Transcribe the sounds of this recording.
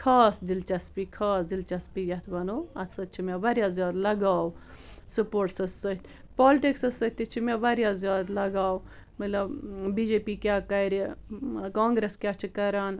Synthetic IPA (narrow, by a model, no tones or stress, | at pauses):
kʰaːsd̪ilt͡ʃɐspikʰaːsd̪ilt͡ʃɐspijɐt̪ʰbɐnoːɐsɐt͡ʃʰimʲeʋɐɾʲjaːzjaːd̪lɐɡaːw | supoːɾʈsɐsɐt̪ʰʲ | poːlʈiksɐsɐt̪ʲit͡ʃʰimeʋɐɾjaːzjaːd̪lɐɡaːw | mɐlɐbbiːd͡ʒeːpiːkʲaːkɐɾikãːŋɡɾeskjaːt͡ʃʰikɐɾaːn